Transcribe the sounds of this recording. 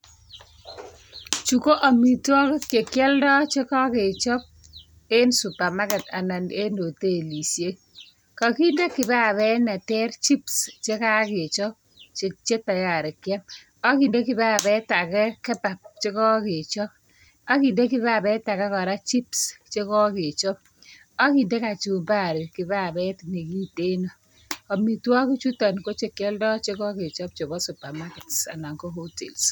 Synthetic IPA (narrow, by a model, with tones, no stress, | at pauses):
t͡ʃu˨ko˦ʔa˨mi˨twɔ˦kke˨kjɛ˦ldɔ˦t͡ʃe˦kɔ˦kɪ˨t͡ʃɔ˦p̚ | e˦nsu˨pa˨ma˦kɛ˨ta˨na˨ne˦no˨te˦˨li˨sje˦ | ka˨ki˦nde˦kːɪ˨ba˦˨bɛ˦nɛ˨tɛ˦rt͡ʃi˦pst͡ʃe˦ka˦kɪ˨t͡ʃɔ˦ | t͡ʃe˦t͡ʃe˦ta˨ja˨ɾɪ˨kjɛ˦m | a˦ki˨nde˦kɪ˨ba˦˨bɛ˨˦ta˨kɛ˦kɛ˦pa˨p̚t͡ʃe˦kɔ˦kɪ˨t͡ʃɔ˦p | ɔ˦ki˨nde˦kɪ˦βa˦˨bɛ˦ta˨kɛ˦kɔ˨ɾa˦t͡ʃi˦pst͡ʃe˦kɔ˦kɪ˨t͡ʃɔ˦p̚ | ɔ˦ki˨nde˦ka˨t͡ʃu˨mba˦˨ɾɪ˨kɪ˨ba˦˨bɛ˦tne˨ɡi˦te˦no˨ | ɔ˨mi˨twɔ˦ki˦t͡ʃu˦tɔ˨nko˦t͡ʃe˦kjɛ˦ldɔ˦t͡ʃe˦kɔ˦kɪ˨t͡ʃɔ˦p̚t͡ʃo˨bɔ˦su˨pa˨ma˦kɛ˨tsa̰˨na˨ŋko˦ɦo˦tḛ˨ls